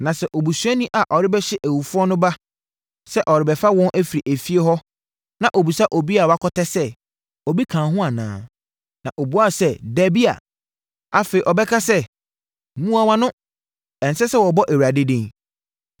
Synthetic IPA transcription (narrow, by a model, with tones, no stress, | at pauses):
nã˨sɛ˦˨ʔo˨bu˨su˨ɛ˦nĩ˦ʔa˨ʔɔ˨ɾɪ˦bɛ˦ɕɪ˦ʔæ˨wu˨fʊ˦ɔ˦nʊ̃˦ba˦ | sɛ˦ʔɔ˨ɾɪ˨bɛ˨fa˦wɔ̃˦nʔæ˦fi˨ɾi˨ʔæ˨fi˦e˦ɦɔ˦ | nã˨ʔo˨bi˨sa˦ʔɔ˨bi˦a˨wa˦kʰɔ˦tɛ˦sɛ˦ | ɔ˨bi˦kʰãː˨ɦʊ̃˦a˨nã̰ː˨ | nã˨ʔo˨bu˨˦a˦sɛ˦dæ˨bi˦a̰˨ | a˦fe˨i˨ʔɔ˨bɛ˦kʰa˦sɛ˦˨ | mũ˦a˨wã˦nʊ̃˦ | ɛ̃˨n˨sɛ˦sɛ˦wɔ˨bɔ˦ʔæ˨wu˨a˨de˦dẽ˦ŋ